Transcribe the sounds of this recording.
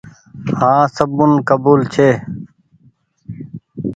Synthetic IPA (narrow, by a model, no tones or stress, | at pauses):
hãːsəbunkəbuːlt͡ɕʰeː